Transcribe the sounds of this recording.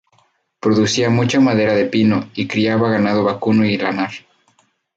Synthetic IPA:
pɾo̞ðusiamut͡ʃamað̞e̞ɾaðe̞pino̞ikɾiaβaɣanaðoβakunoilanaɾ

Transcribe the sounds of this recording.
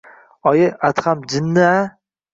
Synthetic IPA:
ɒjɪʔat̪χamd͡ʒɪnːɪa

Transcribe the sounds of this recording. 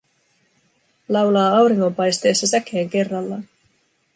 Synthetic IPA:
lɑwlɑːɑwɾiŋːo̞mpɑjst̪e̞ːsːɑsækeːŋke̞rːɑlːɑn

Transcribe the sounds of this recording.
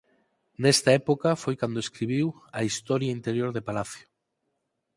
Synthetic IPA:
nest̪aepokafojkand̪oeskɾiβiwɐist̪ɔɾjaint̪eɾjoɾðepalaθjo̥

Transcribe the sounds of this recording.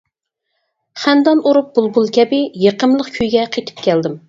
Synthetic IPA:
χænd̪ɑnuɾup̚b̥ulˠbulˠkʲʰɛbɪjeqəmlˠəqkʲʰøjɡʲɛqʰet̪ʰɪ̥p̚kʲʰɛld̪ɪm

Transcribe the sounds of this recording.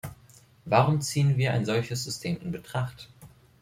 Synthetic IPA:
vaːʁʊmt͡siːənviːɐʔaɪnzɔlçəs̬z̥ʏstʰeːmɪnbətʁ̥aχt

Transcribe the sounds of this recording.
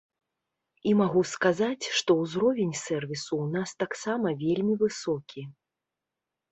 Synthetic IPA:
imaɣuskazat͡sʲʂt̪ɔwzɾɔvʲenʲsɛrvʲisuːnast̪aksamɐvʲelʲmʲivɨsɔkʲi

